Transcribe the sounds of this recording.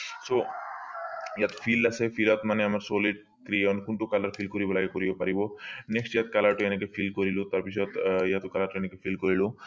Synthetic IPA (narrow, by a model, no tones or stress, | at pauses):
so | jat̪fʰiːlɐsefʰilat̪maneɐmɐɾsoːliɖ | kɾiɔnkuɳʈukɐlɐɾfʰiːlkoɾibɐlakekoɾibopɐɾiboneksʈjat̪̚kɐlaʈojenekefʰiːlkoɾilut̪ɐɾpisɔt̪jat̪okɐlaɾʈojenekefʰiːlkoɾilu